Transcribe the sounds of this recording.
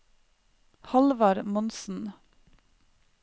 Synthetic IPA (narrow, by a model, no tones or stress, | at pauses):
hɑlʋɑɾmɔnsn̩